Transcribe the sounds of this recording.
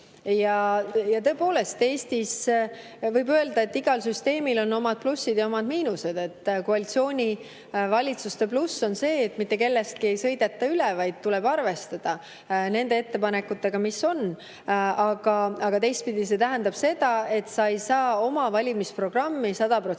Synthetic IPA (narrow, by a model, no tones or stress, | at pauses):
jɑjɑt̪ɤ̞e̞po̞ːle̞st̪e̞ːst̪is | vɤjbø̞e̞ld̪ɑe̞t̪ːiɡ̥ɑlsyst̪e̞ːmilo̞nːo̞mɑd̪̥̚plusːid̪̥jɑo̞mɑd̪miːnuse̞d̪̥e̞t̪ːkoɑlit̪sio̞ːnʲi | vɑlʲit̪sust̪e̞plusːo̞nse̞ːt̪ːˑmit̪ːˑe̞ke̞lːe̞st̪̚kie̞jsɤ̞jd̪e̞t̪ːɑylevɑjd̪̥̚t̪uleb̥ɑrve̞st̪ɑd̪̥ɑ | ne̞nd̪e̞e̞t̪ːe̞pɑne̞kːˑut̪ːe̞ɡ̥ɑmiso̞n | ɑɡ̥ɑɑɡ̥ɑt̪e̞jst̪̚pid̪̥is̬e̞t̪æɦænd̪ɑb̥se̞d̪̥ɑe̞t̪sɑjsɑːo̞mɑvɑlʲimispro̞ɡ̥rɑmːisɑd̪̥ɑpro̞